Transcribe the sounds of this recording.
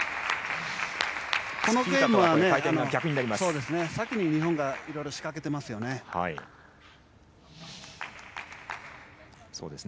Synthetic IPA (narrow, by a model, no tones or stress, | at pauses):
kʰo̞no̞ɡe̞ːmɯβane̞at̪anokʲakɯ̟ɲinaɾʲimasso̞ːd̪e̞sɨne̞sakʲiɲ̟iɲ̟iɦõ̞ŋɡaiɾo̞jɾo̞ɕi̥kake̞t̪e̞masɨjo̞ne̞ha̰ḭ | so̰ːd̪es